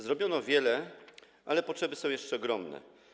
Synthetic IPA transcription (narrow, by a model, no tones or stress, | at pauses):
zɾɔbjɔnɔvʲjɛlɛ | ʔalɛpɔtʂɛbɘsɔ̃w̃jɛʂt͡ʂɛɔɡɾɔmnɛ̰